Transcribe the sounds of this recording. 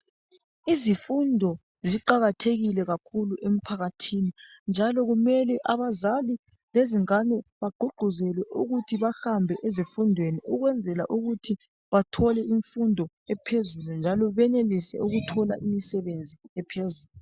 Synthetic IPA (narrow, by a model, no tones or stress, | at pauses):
izifundʱɔ | ziǃaɣatʰeɣilɛɣakʰuluʔem̩pʰaɣatʰini | nd͡ʒʱalɔɣumɛlɛʔaβazali | leziŋanɛβaɡ͡ǃʱuɡ͡ǃʱuzɛlwɛʔuɣutʰiβaxambʱɛʔezifundʱweniʔuɣwɛnd͡zʱɛla̰ʔuɣutʰi | βatʰɔlɛiɱfundʱɔ | ɛpʰezulund͡ʒʱalɔβɛnelisɛ̰uɣutʰɔla̰ʔimisɛβend͡zʱiɛpʰezuːlu